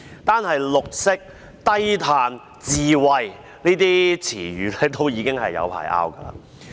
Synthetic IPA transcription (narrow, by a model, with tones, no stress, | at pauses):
t̪aː˥nɦɐ˨jlʊ˨k̚sɪ˥k̚ | t̪ɐ˥jt̪ʰaː˨˧n | t͡siː˨wɐ˨˧j | niː˥t̪iː˥t͡sʰiː˨˩jyː˨˧lɛ˨˧˥t̪o˥wjiː˨˧kɪ˥ŋɦɐ˨jːɐ̰˨˧wpʰa̰ː˨˩jʔa̰ː˥wkɐ˧la̰ː˧